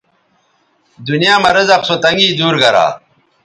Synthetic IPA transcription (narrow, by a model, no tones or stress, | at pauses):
d̪unijaːmɐɾɐzɐqsot̪ɐŋɡiːd̪uːɾɡɐɾa̰ː